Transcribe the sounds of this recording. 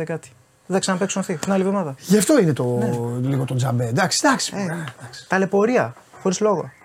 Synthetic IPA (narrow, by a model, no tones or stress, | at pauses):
ekɐt̪i̥ | ðɐksɐnɐpeksunθit̪inalivðomɐðɐʝɐft̪o̞inet̪oliɣo̞t̪ond͡zɐbed̪ɐksi̥d̪ɐksi̥ed̪ɐksi̥t̪ɐle̞po̞ɾiɐ | xo̞ɾizlo̞ɣo